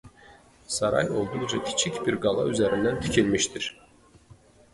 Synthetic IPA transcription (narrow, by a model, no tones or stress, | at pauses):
sɑɾɑ̰jo̞lˠd̪ud͡ʒɑk̪ʰi̥t͡ʃʰicbiɾɡɑlˠɑ̰yzæɾind̪ænt̪ʰi̥cʰilmiʃt̪iɾ̥